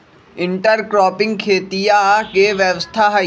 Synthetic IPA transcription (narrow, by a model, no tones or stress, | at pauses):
ɪ̃ɳʈəɾkɾɔːpɪ̃ŋɡ̚kʰeːt̪ijakeʋjəʋəst̪ʰaɦ